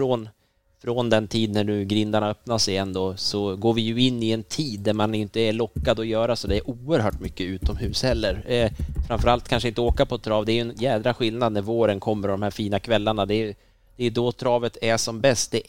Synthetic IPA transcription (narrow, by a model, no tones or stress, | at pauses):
ɾɔn | fɾɔnd̪ɛnt̪ʰiːd̪næɳʉ̟ːɡɾɪnd̪aɳaœpnaʂɛjɛnd̪osɔɡoːɾvɪjɵɪnːɪɛnt̪ʰiːd̪ːæɾmanɪnt̪əːɭɔkːad̪ɔjœːɾasɔd̪ɛɛɾʔuːəɾɦœːʈmʏkːəʉ̟ːt̪ɔmhʉ̟ːshɛlːəɾfɾamfœɾalt̪̚kʰanʂəɪnt̪əoːkapʰɔt̪ʰɾɑːvd̪ɛæɾjɵɛnjɛːd̪ɾaɧɪlnad̪̚næɾvoːɾənkʰɔmːəɾɔd̪ɔmhæːɾfiːnakʰvɛlːaɳad̪ɛ | d̪̥ɛjɵd̪ɔt̪ʰɾɑːvət̪ʰæʂɔmbɛst̪̚d̪ɛ